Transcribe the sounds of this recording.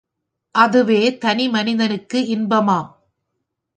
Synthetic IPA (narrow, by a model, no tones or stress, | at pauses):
ʔɐðɯʋeːt̪ɐnɪmɐnɪðɐnɯkːɯɪnbɐmaː